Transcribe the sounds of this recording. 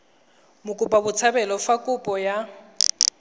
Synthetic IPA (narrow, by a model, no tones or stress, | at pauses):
mʊkʼʊpʼabʊt͡sʰabɛlɔfakʼʊpʼɔja